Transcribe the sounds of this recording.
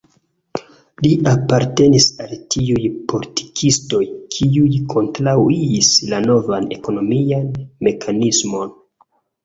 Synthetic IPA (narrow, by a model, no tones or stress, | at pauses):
liʔapaɾte̞nisaltʰiujpo̞litʰi̥kʰisto̞jkʰiujkʰo̞ntɾawiːslano̞vane̞̰ko̞no̞mianme̞kʰanismo̞n